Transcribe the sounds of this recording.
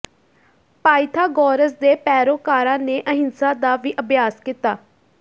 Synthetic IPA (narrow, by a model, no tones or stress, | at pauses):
paːɪt̪ʰaːɡɔːɾəsd̪eːpɛːɾoːkaːɾãːneːʔəɦɪnsãːd̪aːʋiːʔəbjaːskit̪aː